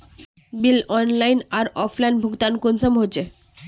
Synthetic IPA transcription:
bilɔnlajnaɾɔfʰlajnbʱuɡt̪ankonsomɦot͡ɕʰe

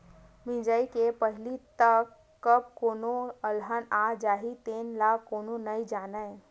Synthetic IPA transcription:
mĩd͡ʒəikepəɦlit̪əkː | əb̚koːnoəlɦənad͡ʒaːɦit̪enlakːoːnonəid͡ʒaːnə

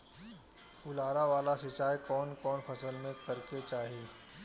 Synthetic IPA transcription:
ʊlaːɾaʋaːlasɪt͡ʃaːjkɔːnkɔːnfʰɐsəlmẽkɐɾket͡ʃaːɦiiː

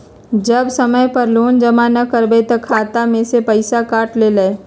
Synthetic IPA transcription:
d͡ʒəbsəməjpəɾloːnd͡ʒəmanəkəɾbet̪əkʰaːt̪amẽsepəɪsakaːʈleːləe

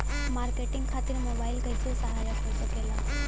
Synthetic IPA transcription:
maːɾkeːʈɪ̃ŋɡkʰaːt̪ɪɾmoːbaːɪlɡɐisesɐɦaːjakʰoisɐkelaː

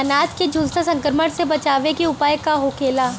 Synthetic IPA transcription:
ɐnaːd͡ʒked͡ʒʱʊlsasɐ̃ŋkɾməɽ̃sebɐt͡ʃaːʋekiʊpaːjkaɦoːkeːlaː

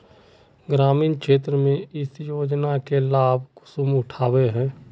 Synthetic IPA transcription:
ɡɾaːmiːnkʃeːt̪ɾəmẽɪsjoːd͡ʒnakelaːb̚ʱkʊ̥sʊmʊʈʰaːweɦɛ̃ː

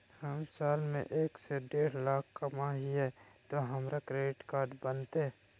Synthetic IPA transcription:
həmsaːlmḛ̃ʔeːkseɖeːɽlaːkʰːɐmaɦiɦɛt̪oɦɐmɾakɾeːɖɪʈkaːɾɖbənt̪eɦɛ

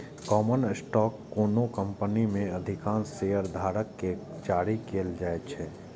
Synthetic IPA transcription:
kɔːmənsʈɔːkːoːnokə̃mpənimẽəd̪ʱɪkaːnsejəɾd̪ʱaːɾəkːe | t͡ʃaːɽikeːld͡ʒaːet͡ʃʰɛː

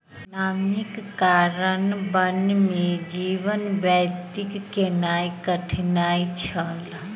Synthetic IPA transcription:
naːmikːaɾənbənmed͡ʒiʋənbɛjt̪ikːenaːjkəʈʰnaːit͡ʃʰəl

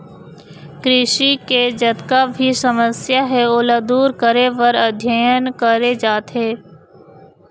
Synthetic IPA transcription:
kɾɪʃiked͡ʒɐt̪kabʱisɐməsjaɦɛolad̪uːɾkəɾeʋəɾəd̪ʱjajənkəɾed͡ʒaːt̪ɦeː

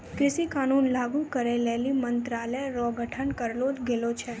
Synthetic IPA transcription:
kɾɪʃikanunlaɡũkəɾelɛlimənt̪ɾalɛɾɔɡʱəʈʰəɳkəɾlod͡ʒɡelot͡ʃʰe

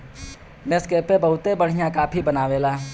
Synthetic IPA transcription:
neskeːpebɐɦʊt̪ebɐɽ̤ijãkaːpʰibɐnaːʋelaː

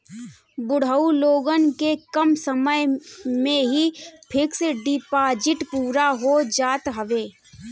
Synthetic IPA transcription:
bʊɽ̤əuloːɡənkekəmsəməjmẽɦipʰɪksɖɪpaːd͡ʒɪʈpuːɾaɦod͡ʒaːt̪ɦəʋeː

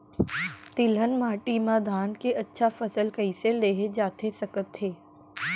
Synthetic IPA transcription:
t̪ɪlənmaːʈiːmãd̪ʱaːnkeʔɐtːʃʰafɐsəlkɐiseleːɦed͡ʒaːt̪ʰesɐkət̪ɦeː

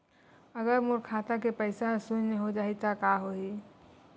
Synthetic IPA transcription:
əɡəɾmʊɾkʰaːt̪ak̬epəɪsasʊnneɦod͡ʒaːit̪akaɦoi

